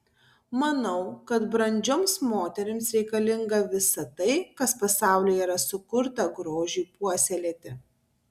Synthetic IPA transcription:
mɐnɐʊkɐt̪bɾɐnʲd͡ʒʲoːmsmoːt̪ʲɛɾʲɪmsɾʲɛɪkɐlʲɪŋɡɐʋʲɪsɐt̪ɐɪkɐspɐsɑˑʊlʲiːjiːɾɐsʊkʊɾt̪ɐɡɾoːʒʲiːpuɔsʲɛlʲeːt̪ʲɪ

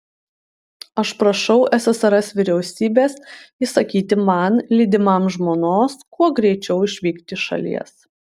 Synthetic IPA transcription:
ɐʃpɾɐʃɐʊʔɛsʲɛsɐɾɛsʋʲɪɾʲɛʊsʲiːbʲeːsisɐkʲiːt̪ʲɪmɐnlʲiːd̪ʲɪmɐmʒmoːnoːskuɔɡɾʲɛɪt͡ʃʲɛʊɪʃʲʋʲiːkt̪ʲɪʃɐ̰lʲḭɛs

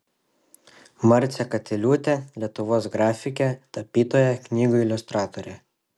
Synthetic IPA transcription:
mɐɾʲt̪sʲɛkɐt̪ʲɛlʲuːt̪ʲɛlʲiɛt̪ʊʋoːsɡɾɑːfʲɪkʲɛt̪ɐpʲiːt̪oːjɛknʲiːɡʊɪlʲʊst̪ɾɑːt̪ɔɾʲɛ

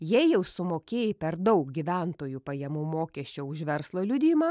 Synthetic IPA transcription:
jɛjɛʊsʊmoːkʲeːjɪpʲɛɾd̪ɒʊk̚ɡʲiʋʲænt̪oːjupɐjɛmuːmoːkʲɛsʲt͡ʃʲɛʊʃʋʲɛɾslˠoːlʲʊd̪ʲiːmɑː

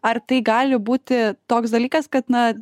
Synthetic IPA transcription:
ɐrt̪ɐɪɡɑːlʲɪbuːt̪ʲɪt̪oːks̬d̪ɐlʲiːkɐskɐt̪nɐ

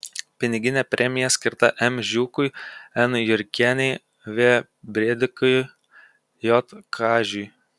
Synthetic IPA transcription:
pʲɪnʲɪɡʲɪnʲɛːpʲɾʲʔɛmʲɪjɛsʲkʲɪɾt̪ɐ̰ʔɛmʲʒʲuːkʊjɛnjʊɾʲkʲænʲɛɪ | ʋʲeː | bʲɾʲed̪ʲɪkʊj | jɔt̪kʰɑːʒʲʊj

